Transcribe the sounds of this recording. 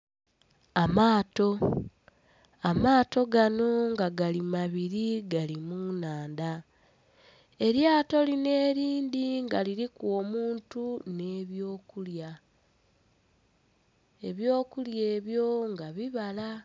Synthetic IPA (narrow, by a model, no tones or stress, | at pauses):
amaːto̞ | amaːto̞ɡano̞ŋɡaɡalimaβiɾiɡalimunaːnda | e̞ɾjaːto̞line̞ːɾiːnd̪iŋɡaliɾikwo̞ːmuːntune̞ːβjo̞ːkulja | e̞βjo̞ːkulje̞ːβjo̞ŋɡaβiβala